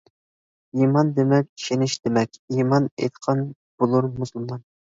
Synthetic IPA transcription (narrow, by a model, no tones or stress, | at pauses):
imɑnd̪emɛk̚ʲʰi̥ʃenɪʃd̪̥emɛkʲimɑnḛjt̪qʰɑn | b̥olˠuɾmusulˠmɑn